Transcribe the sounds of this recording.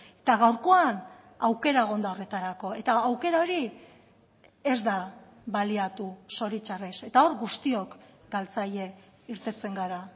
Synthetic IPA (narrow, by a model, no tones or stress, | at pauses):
e̞̥t̪aɣawɾko̞an | awke̞ɾaeɣ̞o̞nd̪aore̞t̪aɾako̞e̞t̪aːwke̞ɾao̞ɾi | ezd̪a | βaliat̪uso̞ɾit͡ʃarese̞t̪ao̞ɾɡust̪io̞k | ɡ̥alt͡saʎe̞iɾt̪e̞t͡se̞ŋɡaɾa